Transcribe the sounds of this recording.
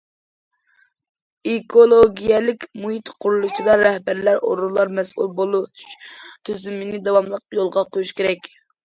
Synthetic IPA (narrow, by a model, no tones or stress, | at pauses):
ekʰolˠoɡʲijɛlɪkʲmuɦit̪qʰuɾulˠut͡ʃʰid̪ˠɑɾɛhbæɾlæɾʔo̰ɾulˠːɑɾmɛsṵlˠbolˠuʃt̪ʰyzymɪnɪd̪ɑwɑmlˠəq̚jolˠʁɑqʰojuʃkʲeɾɛkʲ